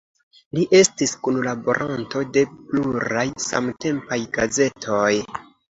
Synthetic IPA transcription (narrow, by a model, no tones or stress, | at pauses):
liʔe̞stiskunlabo̞ɾʔanto̞de̞pluɾɾajsa̰mte̞mpajɡaze̞tʰo̞j